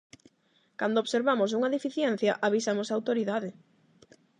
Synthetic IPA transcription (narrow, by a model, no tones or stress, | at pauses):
kand̪oβseɾβamosuŋɐðefiθjɛn̟θjɐʔaβ̞isamosaːwt̪oɾiðaðɪ